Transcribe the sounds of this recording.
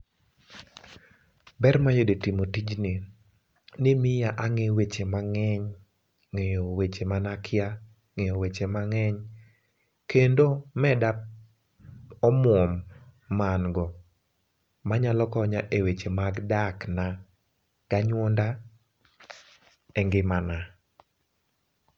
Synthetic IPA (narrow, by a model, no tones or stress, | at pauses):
bɛrmajodetimotid͡ʒnɪ | nɪmɪjaʔaŋewet͡ʃemaŋɛɲ | ŋejowet͡ʃemanakʰɪja | ŋejowet͡ʃemaŋɛɲ | kendomɛda | ɔmwɔmːanɡɔ | maɲalɔkɔɲaʔewet͡ʃemaɡdakna | ɡ̥aɲwɔnda | ɛŋɡɪmana